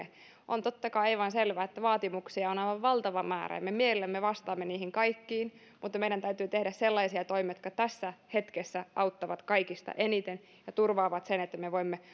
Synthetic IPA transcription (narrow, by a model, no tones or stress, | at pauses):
e | ʔont̪ot̪ːɑkɑiɑiʋɑnselʋæːet̪ːæʋɑːt̪imuksiɑonɑiʋɑʋʋɑlt̪ɑʋɑmæ̰ːræ̰jɑ̰mːemielelːæmmeʋɑst̪ɑːmːeniːhiŋkɑikːiːn | mut̪ːɑmeiɾænt̪æyt̪yːt̪ehdæsselːɑisiɑt̪oimiɑjot̪kɑt̪æsːæhet̪kesːæʔɑut̪ːɑʋɑt̪kɑikist̪ɑ̰ʔenit̪en | jɑt̪urʋɑːʋɑt̪senet̪ːæmeʋoimːe